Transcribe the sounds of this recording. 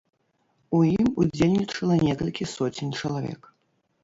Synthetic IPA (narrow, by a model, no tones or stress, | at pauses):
ujimud͡zʲelʲnʲit͡ʂɐlˠɐnʲɛkɐlʲkʲisɔt͡sʲinʲt͡ʂɐlˠavʲɛ̰k